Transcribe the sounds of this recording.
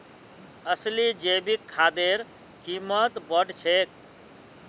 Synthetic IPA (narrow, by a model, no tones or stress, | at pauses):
əslid͡ʒebikʰːad̪eɾ | kimət̪bəɖt͡ʃʰek̚